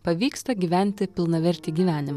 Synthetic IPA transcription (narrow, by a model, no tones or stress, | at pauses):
pɐʋʲiːkst̪ɐɡʲiːʋʲæˑnʲt̪ʲɪpʲɪlˠnɐʋʲɛɾʲt̪ʲiːɡʲiːʋʲæːnʲɪmɐ